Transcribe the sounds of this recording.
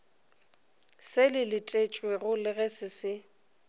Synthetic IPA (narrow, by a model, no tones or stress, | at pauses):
sɪlɪlɪtʼet͡ʃʼweɣʊlɪɣɛsɪsɪ